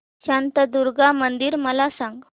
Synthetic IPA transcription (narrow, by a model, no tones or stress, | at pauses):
ɕant̪əd̪uɾɡamənd̪iːɾməlasãŋɡ